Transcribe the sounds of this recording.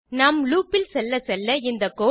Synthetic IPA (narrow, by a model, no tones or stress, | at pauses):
nɐmluːpːɪlsɛlːɐsɛlːɐɪnd̪ɐkːoː